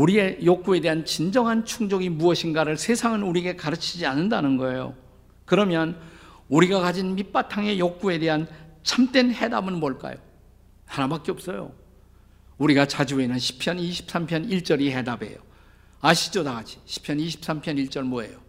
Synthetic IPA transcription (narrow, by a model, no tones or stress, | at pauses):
uɾiejok͈̚ue̞de̞ɦant͡ɕind͡ʑʌŋɦant͡ɕʰuŋd͡ʑʌɡimuʌɕʰinɡaɾɯɭsʰe̞sʰaŋɯnuɾiɡekaɾɯt͡ɕʰid͡ʑianːɯndanɯnɡʌe̞jo̰ | kɯɾʌmjʌn | uɾiɡakad͡ʑinmip͈atʰaŋe̞jok̚k͈ue̞de̞ɦant͡ɕʰamt͈wenhe̞da̰bɯnmʌɭk͈a̰jo̰ | hanabak͈eʌp̚s͈ʌjo̰ | uɾiɡat͡ɕad͡ʑuenɯnɕʰi̥pʰjʌniɕʰi̥p̚s͈ampʰjʌniɭt͡ɕ͈ʌɾihe̞dabe̞̰jo̰ | aɕʰi̥t͡ɕ͈odaɡad͡ʑʰi̥ɕʰi̥pʰjʌniɕʰi̥p̚s͈ampʰjʌniɭt͡ɕ͈ʌɭmoe̞̰jo